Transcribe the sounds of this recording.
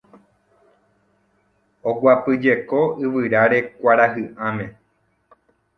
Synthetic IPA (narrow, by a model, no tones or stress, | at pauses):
oɡʷapɨd͡ʒe̞ko̞ɨʋɨɾaɾe̞kʷaɾahɨʔãmẽ̞